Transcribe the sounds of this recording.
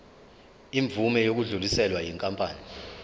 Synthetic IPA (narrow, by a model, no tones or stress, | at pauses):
iɱbvumɛjok̬uɮulisɛlwajiŋkʼampʼaːni